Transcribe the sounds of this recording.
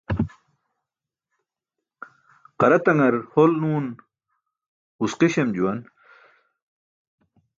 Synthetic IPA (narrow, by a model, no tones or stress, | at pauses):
qɐɾɐt̪ɐŋɐɾholnuːn | usqiɕemd͡ʑuwɐn